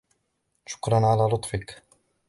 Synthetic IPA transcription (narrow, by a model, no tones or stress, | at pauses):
ʃʊ̥kɾˤɑnʕalaːlʊt̪ˤfɪk